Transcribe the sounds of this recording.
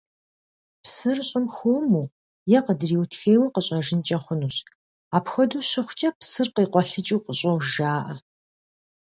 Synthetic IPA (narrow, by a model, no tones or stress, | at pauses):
psɨrɕʼɪmxoːmuː | jɛqədɨriːwtʰxeːwɐqəɕʼɐʒɨnt͡ʃʼɐχʷʊnuːɕ | aːpxʷɔduːɕɪχʷt͡ʃʼɐpsɨrqiːqʷɔɬɨt͡ʃʼiwqəɕʼowʒaːʔɐ